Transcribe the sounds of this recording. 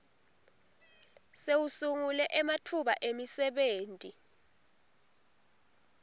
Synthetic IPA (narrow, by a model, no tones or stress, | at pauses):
sewusuŋulɛʔɛmatʰuɓaʔemisɛɓeːntʼi